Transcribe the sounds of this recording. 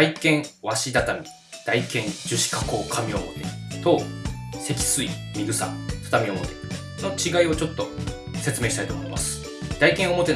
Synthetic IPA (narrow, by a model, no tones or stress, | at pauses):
aikẽ̞ɰ̃βaɕid̪at̪amʲi | d̪̥aikẽ̞ɲd͡ʑɨɕi̥kako̞ːkʰamʲio̞mo̞̰t̪e̞t̪oːse̞kʲi̥sɨimʲiɡɯ̟sa̰fɯ̥t̪amʲio̞mo̞t̪e | no̞t͡ɕiɡaio̞t͡ɕo̞t̪ːo̞ | se̞t͡sɨme̞ːɕi̥t̪ait̪omoimʔasɨ̥ | d̪̥aikẽ̞ɰ̃o̞mo̞t̪e̞